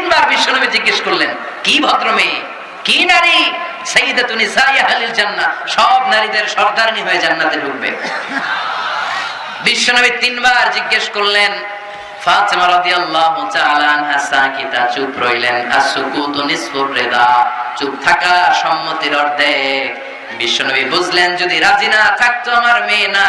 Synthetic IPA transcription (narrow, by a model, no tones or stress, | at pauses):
nbaɾbiʃːonobid͡ʑiɡːeʃkoɾlen | kibʱɔt̪ɾome | kinaɾi | sɐjːid̪at̪unisajaɦalild͡ʑanːaʃɔbnaɾid̪eɾʃɔɾd̪aɾniɦoed͡ʑanːat̪eɖʱuk̚bḛ | biʃːonabit̪inbaɾd͡ʑiɡːeʃkoɾlen | faːt̪emaɾɔd̪ijalːaːɦut̪aːlaanɦasankit̪at͡ʃupɾojlena̰sukut̪onisfopɾed̪at͡ʃup̚t̪ʰakaʃɔmːot̪iɾɔɾd̪e | biʃːonobibud͡ʑʱlend͡ʑod̪iɾad͡ʑinat̪ʰak̚t̪omaɾmena